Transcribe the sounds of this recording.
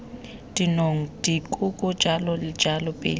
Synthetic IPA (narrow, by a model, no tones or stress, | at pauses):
d̥inoŋ̩d̥ikʼukʼɔ̥d͡ʒ̥ʱalɔlɪ̥d͡ʒʱalɔpʼḛːl